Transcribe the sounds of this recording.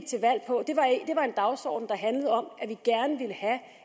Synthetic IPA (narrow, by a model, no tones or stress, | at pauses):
t͡sʰe̝ʋæl̰pʰɒ̽d̥e̝ʋɑ̈ed̥e̝ʋɑ̈e̝nd̥ɑ̈ʊsɒ̰ːd̥n̩d̥ɑ̈ɦænləð̩ˠɒ̽mʔæʋiɡ̥æɐnəʋiləhæ